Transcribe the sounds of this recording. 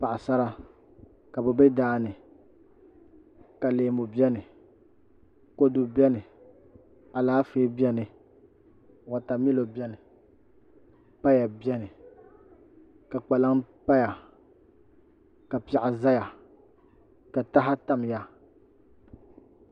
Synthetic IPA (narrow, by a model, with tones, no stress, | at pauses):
pa˨ʔa˨sa˦ɾa˦ | ka˨bɛ˨bɛ˦daː˦˨nɨ˨ | ka˨leː˨mʊ˨bi˦ɛ˦nɨ˨ | ko˦dʊ˦bɛ˦nɨ˨ | a˨laː˨˦feː˦bɛ˦nɨ˨ | wa˨ta˨mi˦lo˨bjɛ˦nɪ˨ | pa˦ja˨bɛ˦nɨ˨ | ka˨k͡pa˨la˦ŋpa˦ja˨ | ka˨pa˨ʔa˨za˦ja˨ | ka˨ta˦ɦa˦ta˨m˨ja˨